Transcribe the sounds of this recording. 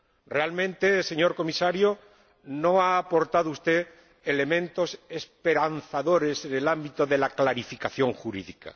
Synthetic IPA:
realmẽnt̪e̞se̞ɲo̞ɾko̞misaɾjo | no̞aːpo̞ɾt̪að̞oust̪e̞ | ele̞mẽ̞nt̪o̞se̞spe̞ɾanθaðo̞ɾe̞se̞ne̞lambit̪oðe̞laklaɾifikaθjo̞ŋxuɾḭðika̰

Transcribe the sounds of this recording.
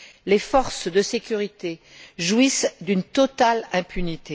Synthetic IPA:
lefɔʁsd̪əsekʲyʁit̪e | ʒwisd̪ynt̪ɔt̪alɛ̃pynit̪e

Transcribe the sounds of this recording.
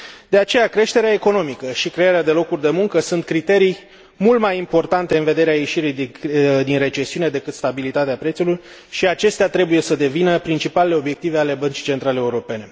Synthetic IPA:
d̪̥e̞at͡ʃe̞jakɾe̞ʃt̪e̞ɾeaeko̞no̞mikəʃikɾe̞jeɾead̪e̞lo̞kurʲd̪e̞muŋkəsunt̪̚kɾit̪e̞ɾij | mult̪majimpo̞rt̪ant̪e̞ɨnve̞d̪e̞ɾeaje̞ʃiɾijd̪d̪inre̞t͡ʃe̞siune̞d̪e̞kɨt̪st̪abilit̪at̪eapɾet̪sulur | ʃiat͡ʃe̞st̪eat̪ɾe̞buje̞səd̪e̞vinəpɾint͡ʃipaleleo̞bje̞k̚t̪ive̞ale̞bənt͡ʃi̥t͡ʃe̞nt̪ɾaleeuɾo̞pe̞ne̞

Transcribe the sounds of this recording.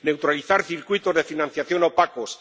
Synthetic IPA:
ne̞wt̪ɾaliθaɾθiɾkwit̪ozðe̞finãn̟θjaθjo̞napakos

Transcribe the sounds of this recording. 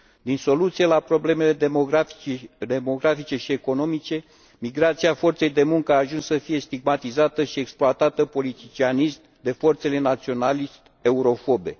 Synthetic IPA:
d̪inso̞lut̪sije̞lapɾo̞ble̞me̞le̞ | d̪e̞mo̞ɡɾafit͡ʃe̞ʃie̞ko̞no̞mit͡ʃe̞ | miɡɾat̪siafo̞rt̪se̞jd̪e̞muŋkəaːʒunsːəfijest̪iɡ̚mat̪izat̪əʃie̞ksploat̪at̪əpo̞lit̪it͡ʃianist̪d̪e̞fo̞rt̪se̞le̞nat̪sio̞nalist̪ | e̞uɾo̞fo̞be̞̰

